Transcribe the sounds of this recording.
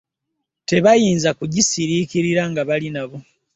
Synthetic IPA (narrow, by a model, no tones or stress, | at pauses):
te̞βajiːnzakuɟisiɾiciɾiɾaŋɡaβalinaβo̞